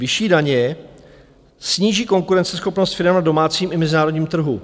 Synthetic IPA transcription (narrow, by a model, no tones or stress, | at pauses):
vɪʃiːdaɲɛ | sɲiːʒiːko̞ŋkuɾɛnt͡sɛsxo̞pno̞st̪fɪɾɛmnado̞maːt͡siːmɪmɛzɪnaːɾoɟɲiːmt̪r̩ɦu